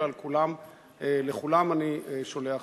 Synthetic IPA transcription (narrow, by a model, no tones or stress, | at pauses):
alkulam | eleχulamanieʃo̞lea